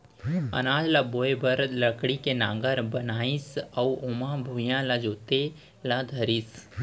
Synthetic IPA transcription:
ə̰naːd͡ʒlaboːebəɾləkɽikenãːŋɡəɾbɐnaːisɐuomãbʱujãlad͡ʒoːt̪e | lad̪ʱəɾis

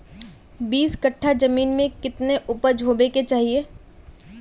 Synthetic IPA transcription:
biːskɐʈʰːad͡ʒɐmiːnmẽkɪt̪neʔʊpəɾd͡ʒʱoːbeket͡ʃaːɦieː

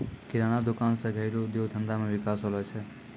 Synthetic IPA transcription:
kiɾañad̪okansə̃ɡʱəɪɾod̪jod̪ʱə̃nd̪amẽʋɪkasɦolɛt͡ʃʰɛ

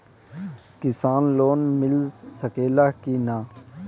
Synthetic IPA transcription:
kɪsaːnloːnmɪlsəkeːlaːkiːnaː

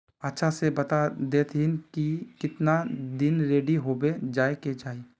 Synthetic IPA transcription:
ɐtːʃʰasebɐt̪ad̪eːt̪ʰɪnkikɪt̪nad̪ɪnɾeːɖiɦoːbed͡ʒaːeked͡ʒaːi

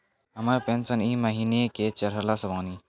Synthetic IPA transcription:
ɦəməɾpẽnsəniːməɦiːneket͡ʃɐɾɦəɾlasɐbaːni

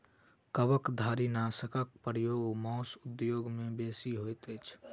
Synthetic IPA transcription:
kəʋəkd̪ʱaːɾinaːsəkək̚pɾjoːɡmɔ̃ːsʊd̪joːɡmẽbeːsiɦoːjt̪et͡ʃʰ

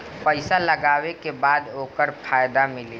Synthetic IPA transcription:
pəɪsaləɡaːwekebaːd̪ɦoːkəɾpʰaːjd̪amɪle

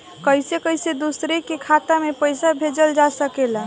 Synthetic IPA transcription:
kəjsekəjsed̪usɾekekʰat̪amepəjsabʱed͡ʒəld͡ʒasəkela

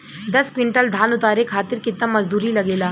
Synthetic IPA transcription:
d̪ɐskwɪ̃ɳʈəld̪ʱaːnʊt̪aːɾekʰːaːt̪ɪɾkɪt̪namɐzd̪uːɾilɐɡeːlaː

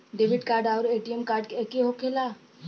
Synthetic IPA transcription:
ɖeʋɪɖkaːɾɖaːʊɾeːʈijemkaːɾɖkeekeɦokʰelaː

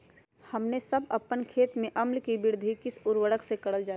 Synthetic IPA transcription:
hɐmnesɐbɐpːənkʰeːt̪mẽʔɐmlkibɪɾd̪ʱikɪsʊɾwəɽəksekɐɽəld͡ʒaː

